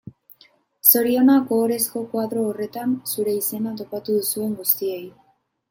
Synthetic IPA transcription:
so̞ɾio̞nako̞ːɾe̞sko̞kwaðɾo̞ːre̞t̪ansuɾe̞ise̞nat̪o̞pat̪uðusue̞ŋɡust̪ie̞j

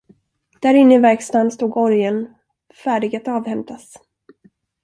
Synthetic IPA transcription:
d̪̥æɾɪnːəɪvɛɾkst̪anst̪uːɡɔɾjən | fæːɖɪɡat̪ɑːvhɛmt̪ʰas

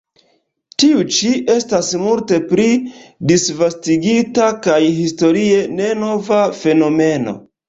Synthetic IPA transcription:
tiut͡ʃiʔe̞stasmulte̞pɾidisvastiɡitakajhisto̞ɾie̞ne̞no̞vafe̞no̞me̞no̞̰

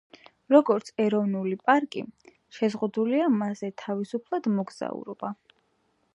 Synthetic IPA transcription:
ɾɔɡɔɾt̪sʰɛɾɔvnulipʼaɾkʼḭ | ʃɛzʁud̪uliamazɛt̪ʰavisupʰlˠad̪mɔɡz̥a̰ṵɾɔb̥a

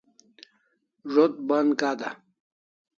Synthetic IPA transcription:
ʐot̪̚bɐnkad̪a̰

